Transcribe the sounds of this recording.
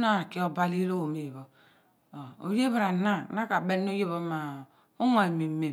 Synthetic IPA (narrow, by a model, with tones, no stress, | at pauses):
na˦a˨ki˦o˦ba˦li˦ɾo˦˨me˨jβo˨ | o˨o̰˨je˦βɾa˨na˦˨na˦ka˨be˦nː˦o˦je˦βo˦ma˨ | o˦ŋo˨e˨me˨˦me˨